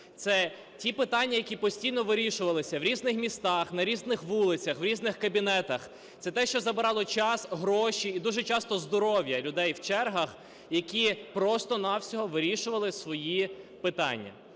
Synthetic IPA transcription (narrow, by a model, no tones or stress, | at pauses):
t̪sɛ | tʲipɪt̪ɑnʲːɐjɐkʲipɔsʲtʲijnɔʋɪɾʲiʃʊʋɐlˠɪsʲɐwɾʲiznɪxmʲist̪ɑxnɐɾʲiznɪxʋulˠɪt͡sʲɐxʋɾʲiznɪxkɐbʲinɛt̪ɐx | t̪sɛt̪ɛʃt͡ʃɔzɐbɪɾɑlˠɔt͡ʃɑsɦɾɔʃiid̪uʒɛt͡ʃɑst̪ɔzd̪ɔɾɔʋjɐlʲʊd̪ɛjwt͡ʃɛrɦɐx | jɐkʲipɾɔst̪ɔnɑwsʲɔɦɔʋɪɾʲiʃʊʋɐlˠɪsʋɔjipɪt̪ɑ̰nʲːɐ̰